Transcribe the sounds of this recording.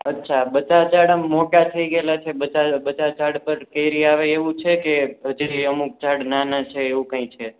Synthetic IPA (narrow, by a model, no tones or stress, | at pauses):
ətːʃʰabət͡ʃat͡ʃaɽəmːoʈat̪ʰəiɡəelat͡ʃʰebət͡ʃabət͡ʃat͡ʃaɽpəɾkəjɾiaʋeeʋũt͡ʃʰekeɦəd͡ʒɾiəmuk̚t͡ʃaɽnanat͡ʃʰeːʋũkə̃ĩt͡ʃʰe